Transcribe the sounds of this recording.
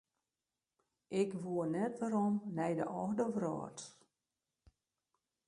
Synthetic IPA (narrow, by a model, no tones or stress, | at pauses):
ʔɪkʋuənɛtʋaɾɔmnɛjdə̰ʔɔxdəʋrɔ̰ːt